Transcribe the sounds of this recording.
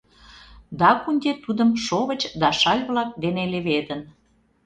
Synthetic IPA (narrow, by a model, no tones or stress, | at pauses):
d̪ɑkunʲd̪ʲet̪ud̪ə̆mʃoβə̆t͡ɕd̪ɑʃɑlʲβlɑk̚d̪eneleβed̪ən